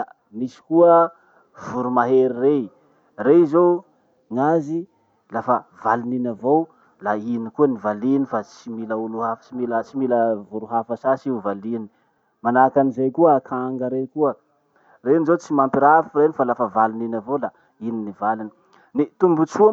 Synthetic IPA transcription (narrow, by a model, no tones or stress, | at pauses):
a | misi̥kuə | vuɾumaɦeɾire | reizo | ŋazi | lafəvaluninavo | lainikuənivalinifat͡similəuluhaft͡ʃimilət͡similəvuɾuɦafasasiuvalini̥ | manakanizejkuəakʰaŋɡəɾekuə | renizot͡simampiɾafuɾenifalafəvaluninavola | ininivalini̥ | nit̪umbut͡ʃu